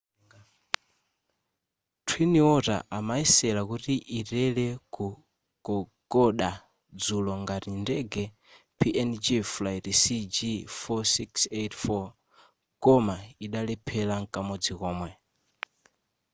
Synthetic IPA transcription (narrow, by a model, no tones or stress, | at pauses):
tʰwiniɔta̰ʔamaisɛlakutiʔitɛlɛku | ɡ̥ɔɡɔɗa | d͡zulɔŋɡaɾindɛɡɛ | pʰiɛnd͡ʒiflajɾisid͡ʒifɔsiksetfɔ | kɔmaiɗalɛpʰɛlaŋkʼamɔd͡zikɔːmwɛ